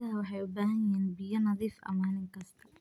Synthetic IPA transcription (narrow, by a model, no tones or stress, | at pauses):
ɐɦɐwɑħɑjʊbaːɦɐjɐiːnbɪjɐnɐðiːfɐ̰maːnɪŋkʰɐst̪ʰɐ̥